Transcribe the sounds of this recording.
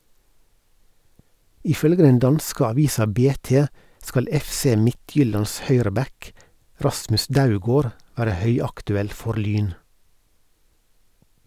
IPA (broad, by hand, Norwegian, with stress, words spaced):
ɪˈfœlɡə ˈdɛn ˈdɑnskə ɑˈʋiːsɑ ˈbeːˌteː ˈskɑl ˈɛfˌseː ˈmɪˌtjʏlɑns ˈhœʏɾəˌbɛk ˈɾɑsmʉs ˈdaʊˌɡoːɾ ˈʋæːɾə ˈhœʏɑktʉˌɛl ˈfɔɾ ˈlyːn